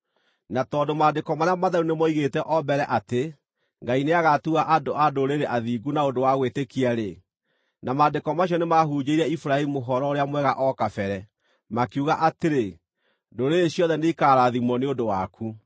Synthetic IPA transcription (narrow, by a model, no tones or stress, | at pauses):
natɔːdomaːdekɔmaɾeamaðaɾunemɔiɣetɛʔɔbɛɾɛʔate | ŋɡaineaɣatuɣaʔadoadoɾeɾeʔaðiːɡunaodowaɣwetekiaɾe | namaːdekɔmaɕiɔnemaɦuːd͡ʑeiɾɛifuɾaimoɦɔɾɔoɾeamwɛɣaʔɔkafɛɾɛ | makuɣaʔateɾe | ndoɾeeɕjɔðɛneikaːɾaðimɔneodowakʰu